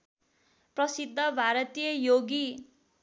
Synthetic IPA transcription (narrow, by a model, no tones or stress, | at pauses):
prʌsid̪ʱːʌbʱaɾʌt̪ijʌjoɡi